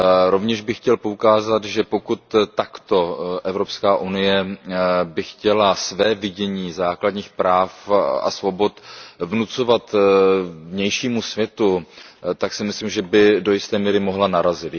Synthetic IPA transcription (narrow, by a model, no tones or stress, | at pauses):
ɾo̞vɲɛʃbɪxcɛlpo̞ukaːzat̪ʒɛpo̞kut̪ːakt̪o̞ʔɛvɾo̞pskaːʔunɪjɛ | bɪxcɛlasvɛːvɪɟɛɲiːzaːkladɲiːxpɾaːfa̰svo̞bo̞t̪vnut͡so̞vat̪ | vɲɛjʃiːmusvjɛt̪ut̪aksɪmɪslimʒɛbɪdo̞jɪst̪ɛːmiːɾɪmo̞ɦlanaɾazɪt̪